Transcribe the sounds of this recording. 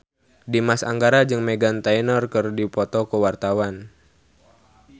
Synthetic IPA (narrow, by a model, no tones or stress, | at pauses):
dimasa̰ŋɡaɾad͡ʒɨŋmɛɡant̪ainərkɨrdipɔt̪ɔkəwart̪awan